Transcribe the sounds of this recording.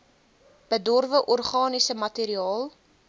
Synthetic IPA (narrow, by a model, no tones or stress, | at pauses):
b̥ədɔrvəʔɔrχɑːnisəmɐtiːɾiɑːlˠ